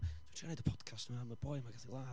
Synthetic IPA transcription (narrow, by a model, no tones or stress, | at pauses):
tʰianejdəpʰɔd̥kʰastnəmaməbɔjmaɡaθilˠa